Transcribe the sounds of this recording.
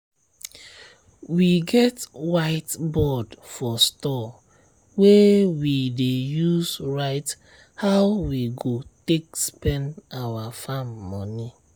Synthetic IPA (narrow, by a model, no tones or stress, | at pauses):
wiɡɛtwaɪtbɔdfɔstɔ | wewidejusɹaɪt | hawwiɡotekspɛ̃ndawafãmːɔni